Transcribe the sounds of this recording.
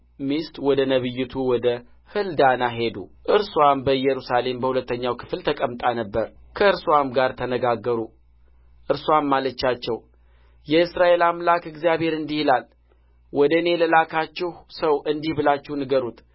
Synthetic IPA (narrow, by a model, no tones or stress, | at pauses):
mist̪wɔd̪ənəβɨjːɪt̪ʰuwɔd̪ə | hɨld̪anaɦe̞d̪uʔɨɾswambəjɛɾusale̞mbəhulət̪ːəɲːawkʰɨ̥flt̪ʰəkʼəmt̪ʼanəbːəɾ | kʰəɨɾswamɡaɾt̪ʰənəɡaɡːəɾu | ʔɨɾswamːalət͡ʃːat͡ʃːɛw | jɛɨsɾaʔe̞lamlakɨɡzjaβe̞ɾɨnd̪ihilal | wɔd̪əne̞ləlakʰat͡ʃːɛhsəwʔɨnd̪ihbɨlat͡ʃːɪhnɨɡəɾut̪